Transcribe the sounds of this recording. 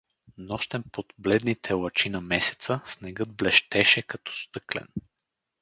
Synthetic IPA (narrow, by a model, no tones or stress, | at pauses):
nɔʃt̪ɛnpod̪blɛd̪nit̪ʰɛlˠɐt͡ʃinɐmɛsɛ̥t̪səsnɛɡɤd̪blɛʃt̪ɛʃɛkɐt̪ɔ̥st̪ɤklɛ̰n